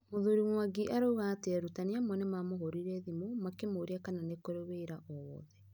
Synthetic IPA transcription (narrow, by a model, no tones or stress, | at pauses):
moðuɾiŋwaɡiʔaɾouɣaːteaɾutaniamwɛnɛmamoɦoɾiɾɛðimomakemoɾiakananekoɾeβeiɾaʔɔwɔ̰ðɛ